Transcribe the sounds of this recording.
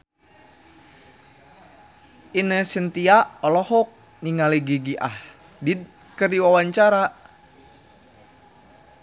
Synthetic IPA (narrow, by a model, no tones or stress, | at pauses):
inəsənt̪iaɔlɔhɔk̚ | niŋaliɡiɡiʔa̰h | did̪̚ | kərdiwawaɲt͡ʃaɾa